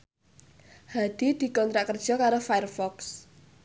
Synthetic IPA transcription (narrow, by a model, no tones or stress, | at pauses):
had̪̥i̤d̪̥i̤kɔnt̪ɾaʔkərd̥ʒ̥ɔ̤kaɾofaɛrfɔks